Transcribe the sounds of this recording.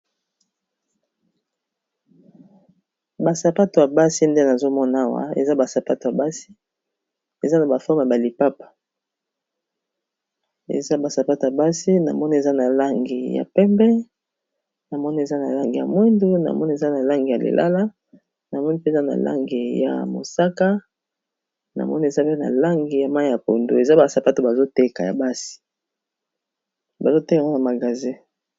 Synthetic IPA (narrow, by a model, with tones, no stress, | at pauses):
ba˨sa˨pa˦to˨ja˨ba˦si˦nde˦na˨zo˦mɔ˦na˦wa̰˦ḛ˨za˦ba˨sa˨pa˦to˨ja˨ba˦si˦ | e˨za˦na˨ba˨fɔ˦m˨a˨ba˨li˨pa˦pḁ˨ | ḛ˨za˦ba˨sa˨pa˦to˨ja˨ba˦si˦na̰˨mɔ˦ni˦e˨za˦na˨la˦ŋɡi˨ja̰˨pɛ˦mbɛ˦ | na˨mɔ˦ni˦e˨za˦na˨la˦ŋɡi˨ja̰˨mwɛ˦ndu˦na̰˨mɔ˦ni˦e˨za˦na˨la˦ŋɡi˨ja˨lḛ˨lʔa̰˦la˦ | na˨mɔ˦ni˦pe˦˨za˦na̰˨la̰˦ŋɡi˨ja̰˨mo̰˨sa˦ka˦ | na̰˨mɔ˦ni˦e˨za˦pe˦na̰˨la˦ŋɡi˨ja˨ma˦i˦ja˨po˨ndo˦e˨za˦ba˨sa˨pa˦to˨ba˨zo˦te˦ka˨ja̰˨ba˦si̥˨ | ba˨zo˦te˦ka˨ŋa˦na˨ma˨ɡa˨zĩ˦